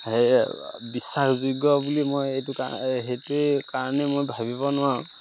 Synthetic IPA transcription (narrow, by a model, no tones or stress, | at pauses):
hejbisːaxzuɡɔbulimojejtʊka̰ɦejtuekaɹɔnɛmojbʱabibɔnʊwaʊ̃